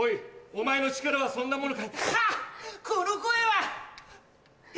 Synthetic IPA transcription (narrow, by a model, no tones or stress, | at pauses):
oiomae̞no̞t͡ɕi̥kaɾaβasõ̞nːamo̞nokait̪a | konokoeβa